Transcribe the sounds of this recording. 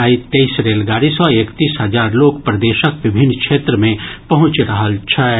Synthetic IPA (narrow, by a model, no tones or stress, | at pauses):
ait̪eisɾeːlɡaːɾisɔeːkt̪iːsɦɐzaːɾloːkpɾəd̪eːʃəkʋɪbʱɪnːkʃʰeːt̪ɾəmẽpɐɦʊ̃t͡ʃɾɐɦəlt͡ʃʰɛ